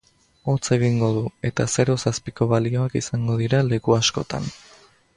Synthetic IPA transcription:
o̞t͡se̞ɣiŋɡo̞ðue̞t̪ase̞ɾo̞saspiko̞βalio̞akisaŋɡo̞ðiɾale̞kuasko̞̰t̪a̰n

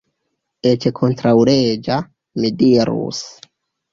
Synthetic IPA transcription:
et͡ʃekʰo̞ntɾawɾed͡ʒa | midiɾṵs

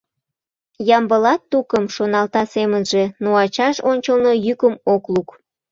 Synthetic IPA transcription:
jɑmbəlɑt̪ːukəmʃonɑlt̪ɑsemənʒe̽noɑt͡ɕɑʃonʲt͡ɕəlnojykəmokluk

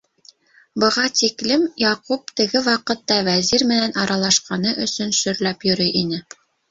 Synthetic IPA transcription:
bɤ̆ʁɑt̪iklɘmjɑqup̚t̪ɘ̆ɡɘwɑqɤ̆t̪ːɑwæziɾmɘ̆nænʔɑɾɑlˠɑʃqɑnɤʔɵ̆sɵnʃɵ̆ɾlæpjɵ̆ɾɘjʔinɘ

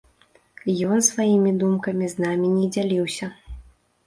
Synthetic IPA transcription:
jɔnsvajimʲid̪umkɐmʲiznamʲinʲɛd͡zʲalʲiwsʲɐ

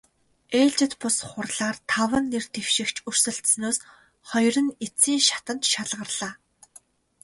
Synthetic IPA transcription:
eːɮt͡ɕɪ̆t̪pʊsχʊrɮaːrt̪ʰawə̆nːert̪ʰewʃɪ̆kt͡ɕʰur̥sɘ̆ɬt̪snoːs | χɔjrə̆net͡siːŋʃḁt̪ə̆nt̪ʃaɮʁə̆rɮ̥aː

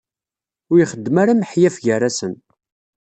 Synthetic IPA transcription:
ʊɾiχəd̪ːmaɾaməħjæfʝəræsən

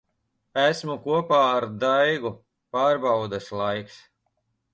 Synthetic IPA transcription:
æsmukuɔpaːɾd̪ajɡu | paːɾbawd̪aslˠajks

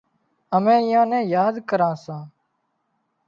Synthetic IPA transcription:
əmɛ̃ːɪjãːnɛ̃ːjaːd̪kəɾãːsãː

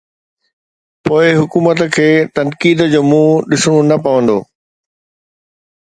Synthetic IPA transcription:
poːɪɦʊkuːmət̪kʰeːt̪ɐnkiːd̪d͡ʑoːmũːɗɪsʊɽ̃ũnɐpɐʋə̃nd̪o̰ː

